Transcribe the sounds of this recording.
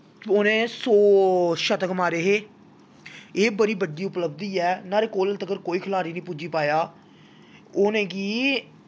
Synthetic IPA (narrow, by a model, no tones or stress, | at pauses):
ʊnẽːsoːʃət̪əkmaːɾeːɦeː | eːbəɾiːbəɖiːʊpləb̚d̪iːɛːnaːɾeːkoːləlt̪əɡəɾkoːiːkʰəlaːɾiːnĩːpud͡ʒiːpaːjaː | ʊnẽːɡiː